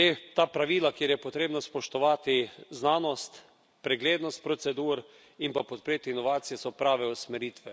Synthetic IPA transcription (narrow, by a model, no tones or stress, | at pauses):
et̪aːpɾaʋiːlakjeːɾjɛpɔt̪ɾeːbnaspɔʃt̪ɔʋaːt̪iznaːnɔst̪ | pɾɛɡleːd̪nɔst̪̚pɾɔt̪sɛd̪uːɾ | impapɔt̪̚pɾeːt̪iinɔʋaːt̪sijɛsɔpɾaːʋɛusmɛɾit̪ʋɛ